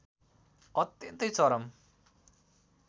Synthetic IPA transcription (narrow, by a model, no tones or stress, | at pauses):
ʌt̪jʌnt̪ʌjt͡sʌɾʌm